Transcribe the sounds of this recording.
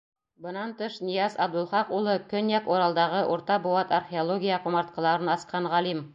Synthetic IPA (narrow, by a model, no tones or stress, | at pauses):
bɤ̆nɑnt̪ɤʃnijɑsɑbd̪ŭlˠχɑqulˠɤkɵnjækuɾɑlˠd̪ɑʁɤʔuɾt̪ɑbowɑt̪arχʲeolˠoɡʲijɑqumɑɾt̪kɑ̆lˠɑɾɤnɑsqɑnʁɑlim